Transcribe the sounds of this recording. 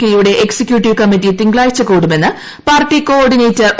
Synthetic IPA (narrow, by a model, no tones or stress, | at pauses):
kʲɐjuɽe̞ʔeksekjuːʈːiʋkɐmːitːit̪iŋɡɭaːjit͡ɕːɐkuːɽume̞nːɨ | paːrʈːiko̞ːrɖineːtːɨ